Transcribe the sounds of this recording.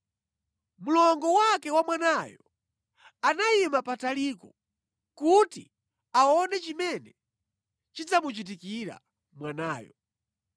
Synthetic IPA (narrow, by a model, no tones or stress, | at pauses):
mulɔŋɡɔwakɛwamwanajɔ | anajimapatalikɔ | kuti | aɔnɛt͡ʃimɛnɛ | t͡ʃid͡zamut͡ʃit̬ikiɾa̰ | mwanaːjɔ̰